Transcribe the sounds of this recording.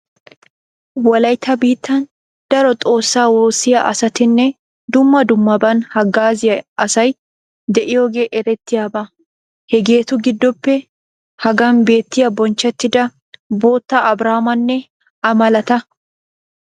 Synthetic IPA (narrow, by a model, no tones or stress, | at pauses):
wɐlɐjt̪ʰːɐbiːt̪ːɐn | d̪̥ɐɾɔt̪ʼo̞ːsːaːwoːsɪjɐʔɐsɐt̪ɪnːɛ | d̪ʊmːɐd̪ʊmːɐbɐnhɐɡaːzɪjɐɐsɐj | d̪ɛʔɪjoːɡe̞ːʔɛɾɛt̪ːɪjaːbɐ | hɛɡe̞ːt̪ʊɡɪd̪ːɔpːɛ | hɐɡɐnbe̞ːt̪ːɪjɐbɔnt͡ʃːɛt̪ːɪd̪ɐ | bo̞ːt̪ːaʔɐbɾaːmɐnːɛ | ɐmɐlɐt̪ɐ